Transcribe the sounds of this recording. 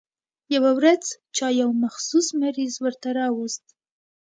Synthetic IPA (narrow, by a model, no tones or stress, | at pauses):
jawawɾad͡z | t͡ʃɑjawmaxsusmaɾizwəɾt̪aɾɑwust̪̚